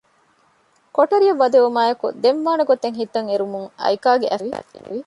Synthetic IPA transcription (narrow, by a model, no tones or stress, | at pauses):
koʈɐɾijɐʋːɐd̪eumaːjɐkṵd̪emʋaːnɐɡot̪ːeŋɦit̪ːɐŋeɾumuŋɐ̰jkaːɡeʔɐʋii